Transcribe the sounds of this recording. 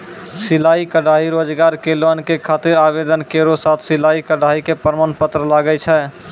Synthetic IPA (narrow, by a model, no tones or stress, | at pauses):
silaikəɽaiɾod͡ʒɡaɾkelənkekʰat̪iɾabed̪ənkeɾosat̪ʰsilaikəɽaikepəɾmənpət̪ɾəlaɡət͡ʃʰɛ